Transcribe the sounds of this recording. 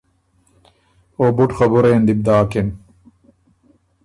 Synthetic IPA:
obuʈxɐbuɾeːnd̪ib̚d̪aːkin

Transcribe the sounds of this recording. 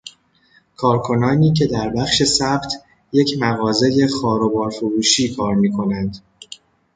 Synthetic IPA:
kʰɒːɾkʰo̞nɒːniːcʰe̞d̪æɾbæχʃe̞sæbt̪ʰ | je̞cʰmæɣɒːze̞je̞xɒːɾobɒːɾfoɾuːʃiːkʰɒːɾmiːkʰo̞nænd̪

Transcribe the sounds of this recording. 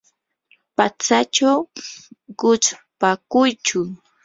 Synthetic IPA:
pat͡sat͡ʃaw | ɢ̥ʊt͡ʃpakʊjt͡ʃʊ

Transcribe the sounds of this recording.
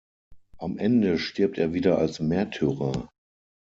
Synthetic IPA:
ʔamʔɛndəʃtɪɐp̚teːɐviːdɐʔalsmɛɐtʰːyʁɐ

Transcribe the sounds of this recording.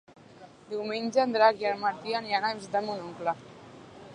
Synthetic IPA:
d̪iwmeɲʲd͡ʒəːnd̪ɾakjaɾmaɾt̪ianjanazd̪əmunuŋkla

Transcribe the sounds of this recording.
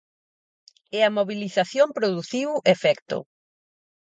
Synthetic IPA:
ɛɐmoβiliθaθjompɾoðuθiwefɛkt̪ʊ̰

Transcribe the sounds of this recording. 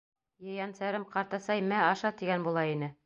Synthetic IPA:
jɤ̆jɑnsæɾɘmqɑɾt̪ɑsɑjmæɑʃɑt̪iɡænbulˠɑinɘ

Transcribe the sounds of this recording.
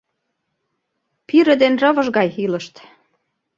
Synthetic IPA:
piɾə̆d̪enrɤ̆βɤ̆ʒɣɑjylɤ̆ʃt̪

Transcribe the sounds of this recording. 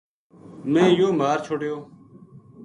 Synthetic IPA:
mẽːjoːmaːɾt͡ʃʰoːɽɪjoː

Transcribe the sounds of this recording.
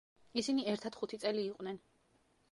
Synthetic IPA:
isiniɛɾt̪ʰad̪̥χut̪ʰit̪sʼɛliːqʼwnɛn

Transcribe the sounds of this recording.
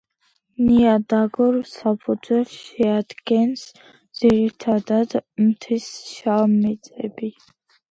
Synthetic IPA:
niad̪aɡɔɾsapʰud̪zwɛlsʃɛad̪ɡɛns | d̪z̥iɾit̪ʰad̪ad̪mt̪ʰisʃamit̪sʼɛbi

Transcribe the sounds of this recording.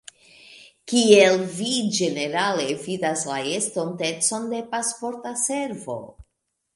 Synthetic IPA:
kielvid͡ʒe̞ne̞ɾale̞vidaslae̞sto̞nte̞t͡so̞nde̞paspo̞ɾtase̞ɾvo̞̰

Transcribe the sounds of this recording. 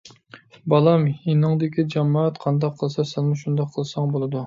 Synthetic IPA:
bɑlˠɑminɨŋd̪ɪkʲid͡ʒɑmɑːɛt̪qʰɑnd̪ɑqʰːəlˠsɑsænmuʃund̪ɑqʰːəlˠsɑŋbolˠɨd̪u

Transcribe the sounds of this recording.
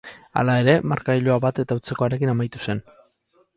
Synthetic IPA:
a̰lae̞ɾe̞maɾkaiʎoaβat̪e̞t̪aut͡se̞ko̞aɾe̞kinamajt̪u̥se̞n

